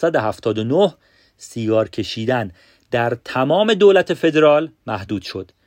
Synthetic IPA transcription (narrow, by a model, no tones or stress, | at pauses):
sæd̪eɦæft̪ʰɒːd̪onoh | siːɡɒːɾcʰe̞ʃiːd̪æn | d̪æɾt̪ʰæmɒːme̞d̪oːlæt̪ʰe̞fe̞d̪eɾɒːlmæhd̪uːd̪̥ʃo̞d̪̥